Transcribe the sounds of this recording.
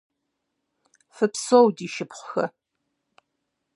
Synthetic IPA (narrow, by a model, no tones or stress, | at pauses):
fɨpsowdiːʃɪpχʷʊxɐ